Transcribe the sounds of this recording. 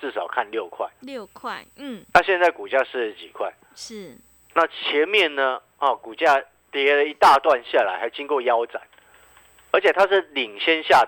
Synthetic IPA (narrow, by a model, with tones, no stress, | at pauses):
t͡sɹ̩˥˩ʂɑ˨˩ʊkʰa˥˨nljo˥˨ʊkʰwa̰˥˩ɪjʰwa˥˩˥na˥˧ɕjɛ˥˧nt͡sa˥˩ɪku˨˩t͡ɕja˥˧ʂɻ̩˥˩˧t͡ɕi˨˩kʰwa˥˩ɪ˥˩ | na˥˨t͡ɕʰjɛ˧˦nmjɛ˥˨nnə˦ | hɔ˥˨˩ku˨˩t͡ɕja˥˧ | t̪jɛ˧˥lə˨˦i˧˦t̪a˥˧t̪wa˥˧nɕja˥˨˩la˨˦ɪxa˧˥ɪt͡ɕi˦ŋkwɔ˥˨ja˦ʊt͡sa̰˨˩˦n | ə˞˧˥t͡ɕʰɛ˨˩t̪ʰa˦ʂɻ̩˥˩li˨˩ŋɕjɛ˥˦nɕja˥˨